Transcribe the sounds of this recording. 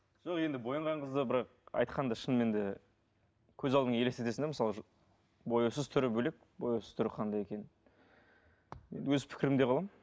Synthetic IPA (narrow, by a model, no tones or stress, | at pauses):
ʒ̥oqje̞nd̪ɪbo̞jəɴʁɑɴʁəzd̪əbɪɾɑq | ɑ̰jt̪qʰɑnd̪ɑʃənme̞nd̪ɪ | kʲʰɵzɑlˠd̪əɴelest̪et̪e̞sɪnd̪eməsɑlˠəʒ | bo̞jusəzt̪ʰʏɾɪbɵle̞k̚bo̞juwsəz̥t̪ʰʏɾɪqʰɑnd̪ɑjekʲe̞nɪn | jend̪ɪwɵzɪpʰɪ̥kʲɪɾɪmd̪e̞qʰɑlˠɑm